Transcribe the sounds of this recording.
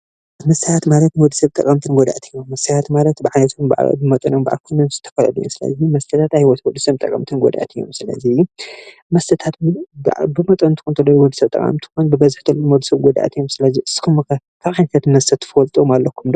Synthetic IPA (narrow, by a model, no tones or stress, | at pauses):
mɐsajat̪malɐt̪wɔd̪ːi̥sɐβt̪ʼɐkʼɐmt̪ʰɨnɡɔd̪a̰ʔt̪ʰɨjːomːɐsɐjat̪malɐt̪bɨʕajnɐt̪ʰɨnba̰ʕ̰bɨmɐt̪ʼɐnomba̰ʕa̰lkʰunonzɨ̥t̪ʰɐ̥fɐlɐ̰lɨjo̰msɨlɐ̰zimɐst̪ʰɐt̪ʰat̪ajhiwɔt̪wɔd̪ːɨsɐβt̪ʼɐ̰kʼɐmt̪ʰɨnɡɔ̰d̪ʔa̰t̪ʰɨjːo̰msɨlɐ̰zi | mɐst̪ʰɐt̪ʰat̪bbɨmɐt̪ʼont̪ʰɨ̥xunt̪ʰɐlːojwɔd̪ːɨsɐβt̪ʼɐ̰kʼɐ̰mt̪ʰɨ̥xunbɨbɐzɨħt̪ʰɐlːonwɔd̪ɨsɐβɡɔd̪a̰t̪ʰɨjːomsɨlɐziɨsɨ̥kʰumkɐ | kʰaβʕajnɐt̪at̪nmɐst̪ʰɐt̪ʰːɨ̥fɐlt̪ʼomalːɐkʰːumd̪